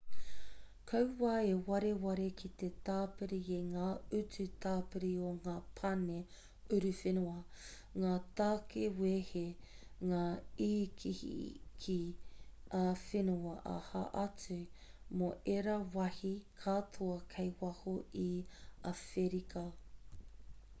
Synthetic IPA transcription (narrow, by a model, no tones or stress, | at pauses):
kʰɐwwaːewɐɾewɐɾekʰit̪etaːpɨɾieŋaːʉt͡sʉtʰaːpɨɾioŋaːpʰɐne | ʉɾʉfenuɐ | ŋaːtaːkʰeweːheŋaːiːkʰihḭkʰi | ʔafenuɐʔa̰ha̰ʔɐt͡sʉmoʔeɾɐwɐhikʰaːtʰoɐkʰejwɐhoiɐfeɾikɐ